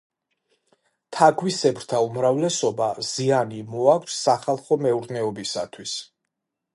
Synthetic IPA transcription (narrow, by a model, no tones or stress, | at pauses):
t̪ʰaɡʰwisɛbɾt̪ʰaumɾavlɛsɔbaz̥ianimɔakʷʰsːaχalˠχɔmɛuɾnɛɔbisat̪ʰwis